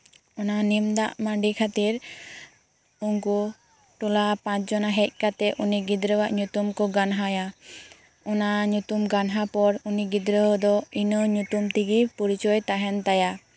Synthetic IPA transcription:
ɔnanimd̪aʔmaɳɖikʰat̪iɾ | uŋku | ʈɔlapãt͡ʃd͡ʒɔnaɦɛc̚ˀkat̪ɛʔuniɡid̪ɾəwaʔɲut̪umkɔɡanɦaja | ɔnaɲut̪umɡanɦapɔɾuniɡid̪ɾəɦɔd̪ɔinəɲut̪umt̪iɡipɔɾit͡ʃɔjt̪aɦɛnt̪aja

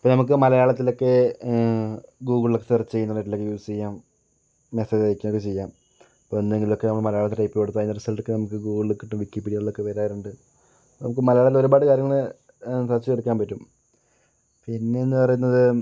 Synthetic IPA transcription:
ɐpːonɐmuk̬ːɨmɐlɐjaːɭɐt̪ːilo̞kːe̞ | ɡuːɡɭlokːet̪irɐt͡ɕːt͡ɕe̞junːɐreʈːilo̞kːejusst͡ɕijːaːmː | eseːd͡ʑejikʲːumokːet͡ɕejːaːm | ipːoːenːeŋɡilokːe̞nɐmːɐɭmɐlɐjaːɭɐt̪ːiʈɐjpːɨpeɽut̪ːɐjinːɐɾɐsɐlʈːokːenɐmukːɨɡuːɡɨɭːɨkːiʈːumʋikːipːiːɽijɐɭɭokːe̞ʋeɾaːjiɾuɳɖɨ | poːnɐmukːɨmɐlɐjaːɭɐt̪ilo̞ɾubaːɽɨkaːɾjɐŋːɐɭɨ | sɐt͡ɕːikeɽukʲːaːmpɐtːum | piinːeenːɨpɐrɐjunːɐðɨ

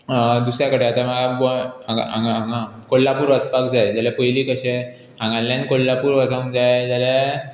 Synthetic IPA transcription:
d̪usɾjakəɽeat̪aməɡaboaa̰ŋɡaŋɡakolːapuːɾʋət͡spakd͡zajd͡ʑalɛpəjliːkəɕɛ | ãŋɡãljãnkolːapuːɾʋat͡sãd͡zajd͡ʑalɛ

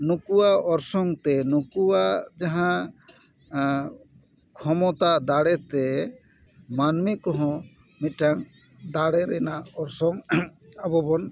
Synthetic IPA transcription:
nukuwaɔɾsɔŋt̪ɛnukuwad͡ʒaɦã | kʰɔmɔt̪ad̪aɽɛt̪ɛ | manmikɔɦɔ̃ | miʈaŋ | d̪aɽɛɾɛnaɔɾsɔŋabɔbɔn

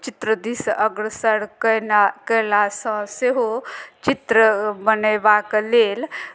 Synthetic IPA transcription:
t͡ʃit̪ɾəd̪isʔəɡɾəsəɽkənakəlasə̃seɦot͡ʃit̪ɾəbənəbaklel

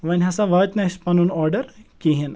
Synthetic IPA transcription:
ʋɐnʲɦɐsaʋɐːt̪nɐʃpɐnunɔːɾɖɐɾkiɦin

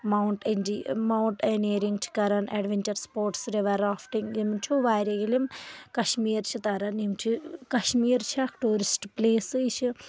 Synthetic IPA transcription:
mɐwɳʈend͡ʒimawɳʈeneːɾiŋɡt͡ʃʰi̥kɐɾaneːɖʋeɲt͡ʃɐɾspoːɾʈsɾeʋɐɾaːfʈiŋɡimt͡ʃʰuʋaːɾʲɐɡilimkɐʃmiːɾt͡ʃʰit̪aɾɐnimt͡ʃʰikɐʃmiːɾt͡ʃʰiakʈuːɾisʈpleːsɨit͡ʃʰi

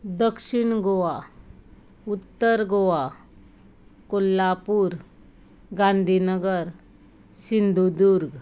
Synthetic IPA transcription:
d̪əkʂiɳɡoʋa | ut̪ːəɾɡoʋa | kolːapuːɾ | ɡãnd̪ʱiːnəɡəɾ | sind̪ʱud̪uɾɡ

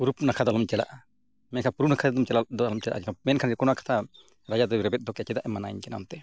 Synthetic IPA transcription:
uɾupnakʰad̪alɔmt͡ʃɛla̰ʔ | mɛnkʰapuɾunakʰad̪ɛd̪umt͡ʃɛlad̪ɔalɔmt͡ʃɛla̰ʔakʰamɛnkʰanɾɛkunakʰḁt̪ʰa | ɾad͡ʒad̪ɔɾɛbɛt̪̚d̪ɔkjat͡ʃɛd̪aʔɛmanajɲkɛna̰mt̪ɛ

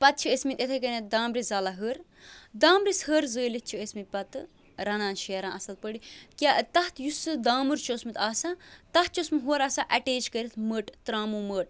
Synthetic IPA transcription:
pɐt̪̚t͡ʃʰiesmit̪et̪ʰekəned̪aːmɾizɐlaɦəːɾ | d̪aːmɾishəːɾzəːlit̪̚t͡ʃʰiesmit̪̚pɐt̪ɨ | ɾɐnaːnʃeːɾãːʔɐsɐl̚pəɽikʲaːt̪ɐht̪ʰjusɨd̪aːmuɾt͡ʃoːsmit̪aːsãt̪ɐt̪̚t͡ʃosmiɦoːɾasaʔɐʈeːt͡ʃkəɾit̪ʰməːʈt̪ɾaːmuːməːʈ̚

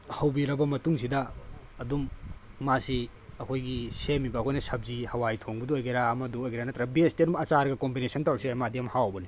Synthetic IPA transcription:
hɐwbiɾɐbɐmɐtuŋsidɐːdumːasiɐkʰojɡisemibɐɐkʰoɔjnɐsɐb̚zihɐwajtʰoŋbɐduojɡeɾaːmɐduojɡeɾanɐt̪ɐɾɐbestiɐdumɐt͡ʃaɾɡɐkombinesʰɔntawɾsiajmadiɐmhawbɐni

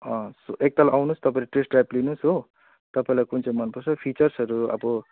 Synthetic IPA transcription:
ʌ̃soʔek̚t̪alawnust̪ʌpaĩlʈresʈrajplinusɦo | t̪ʌpaĩlajkunt͡sʰãj̃mʌnpʌrt͡sʰʌpʰit͡sʌrsɦʌɾuʌ̰bʌ

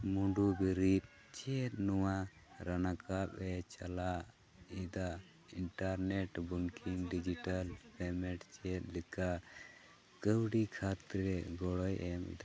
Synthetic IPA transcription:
muɳɖubiɾit̪̚ | t͡ʃɛt̪̚nɔwa | ɾanakap̚ɛt͡ʃala | id̪a | iɳʈaɾnɛʈbuŋkʰiŋɖid͡ʒiʈalpɛmɛʈt͡ʃɛt̪̚lɛka | kəwɖikʰat̪ɾɛɡɔɽɔjʔɛmḭd̪a

